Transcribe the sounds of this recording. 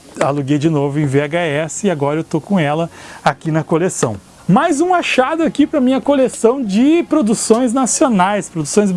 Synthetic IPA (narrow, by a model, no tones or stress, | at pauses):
aluɡejd͡ʒɪnovʊẽj̃veaɡaɛsɪɪaɡɔɾɐewt̪okõɛlɐakinɐkolesɐ̃w̃ | majzũaʃad̪ʊakipɾɐmĩɲɐkolesɐ̃w̃d͡ʒɪpɾod̪usõj̃znasionajspɾod̪usõj̃z